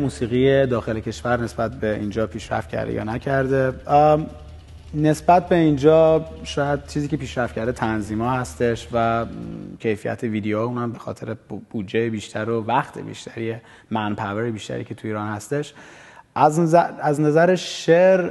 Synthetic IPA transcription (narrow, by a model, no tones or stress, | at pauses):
muːsiːɣijed̪ɒːxe̞lecʰe̞ʃvæɾne̞sbæt̪̚be̞ind͡ʒɒːpʰiːʃɾæ̰ft̪cʰæ̰ɾd̪ḛjɒ̰næcʰæɾd̪e̞ | ne̞sbæt̪̚be̞ind͡ʒɒːʃɒːjæd̪̥̚t͡ʃʰiːziːcʰe̞piːʃɾæft̪̚cʰæɾd̪et̪ʰænziːmɒːhæst̪e̞ʃvæ | cʰe̞jfijæ̰t̪ʰeviːd̪ejoːuːnæmbe̞xɒ̰ːt̪ʰe̞ɾeb̥ud͡ʒejebiːʃt̪ʰæɾovæxt̪ʰḛbḭʃt̪ʰæɾije | mænpʰæveɾebiːʃt̪æ̰ɾḭːcʰe̞t̪ʰuiːɾɒːnhæst̪e̞ʃʔzæznæzæɾeʃʃeɾ